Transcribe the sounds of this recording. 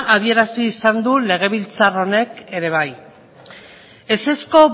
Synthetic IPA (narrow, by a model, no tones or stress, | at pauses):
aðie̞ɾasiːsand̪ule̞ɣ̞e̞β̞ilt͡saro̞ne̞ke̞ɾe̞β̞aj | e̞se̞sko̞β